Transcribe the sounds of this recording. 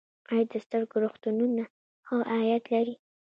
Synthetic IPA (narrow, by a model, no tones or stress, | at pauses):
qɑjad̪̚ːəst̪əɾɡoɾoxt̪ununa | xawʔajat̪laɾi